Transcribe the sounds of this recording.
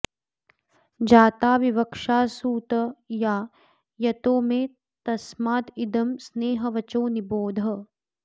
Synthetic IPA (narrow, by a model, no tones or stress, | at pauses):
d͡ʒaːt̪aːʋiʋɐkʂaːsuːt̪ɐjaː | jɐt̪oːmeː | t̪ɐsmaːd̪id̪ɐmsneːɦɐʋɐt͡ʃoːniboːd̪ʱɐ